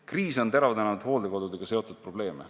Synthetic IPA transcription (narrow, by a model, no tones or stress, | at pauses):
kriːso̞nt̪eɾɑvɑd̪enɑd̪̥ho̞ːld̪eko̞d̪ud̪e̞ɡ̥ɑse̞o̞t̪ːˑud̪̥̚pro̞b̥le̞ːmḛ